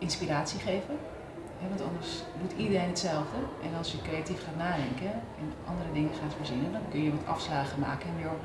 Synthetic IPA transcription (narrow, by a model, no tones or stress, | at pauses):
ʔɪnspiɾaːtsiχejvə | ɦɛʋɑ̃ntɑndəɹsdutidəɾejnɦətsɛlˠvdəʔɛnɑlˠsjəkrejatifχaːtnaːdɛŋkə | ɛnʔɑ̰ndərədɪŋəχaːtfəːɹzɪnədɑnkɵnjəʋɑtʰɑ̰fslaːχəmaːkəɪnjo